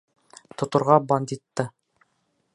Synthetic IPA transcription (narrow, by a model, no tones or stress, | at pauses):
t̪ŏt̪ŏɾʁɑbanʲd̪ʲit̪ːɤ